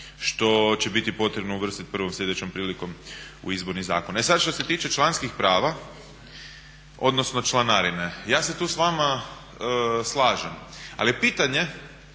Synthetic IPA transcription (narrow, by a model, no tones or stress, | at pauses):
ʃt̪o̞t͡ɕe̞bit̪ipo̞t̪ɾebnouʋr̩sit̪̚prʋomsʎʲe̞d̪et͡ɕo̞mpɾiːliko̞m | ṵizbo̞ɾniza̰ːkonesad̪ʃt̪ose̞t̪iːt͡ʃe̞t͡ʃlˠanskixpɾaːʋa | o̞̰d̪no̞sno̞t͡ʃlˠanaɾinejaːse̞t̪uːsʋama | slˠaːʒama̰liepiːt̪aɲe̞